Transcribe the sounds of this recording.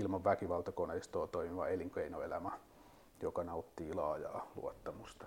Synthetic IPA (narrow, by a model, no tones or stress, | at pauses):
ilmɑʋʋækiʋɑlt̪ɑkoneist̪oːt̪oimiʋɑ̰eliŋkeinoelæmæ | jokɑnɑut̪ːiːlɑːjɑ̰ːlṵɑt̪ːɑmust̪ɑ̥